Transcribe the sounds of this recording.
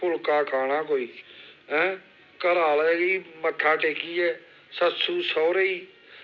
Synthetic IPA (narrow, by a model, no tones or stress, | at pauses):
pʊlkaːkʰaːnaːkoːiːɦɛ̃ː | kəɾaːleːɡiːməʈ̪ʰːaːʈeːkiːɛː | sət̪suːsɔːɾəiː